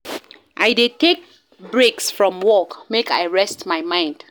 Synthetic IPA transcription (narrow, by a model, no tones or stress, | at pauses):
ʔaɪdetek̚ | bɹeksfɹɔ̃mwɔkmeka̰ɪɹɛstmaɪmãɪ̃nd̥